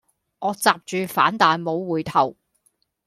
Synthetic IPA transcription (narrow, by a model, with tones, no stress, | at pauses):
ŋɔː˨˧t͡saː˨p̚t͡ʃyː˨˧faː˨˥nt̪aː˨jmo˨˧wwuː˨jt̪ʰɐ˨˩w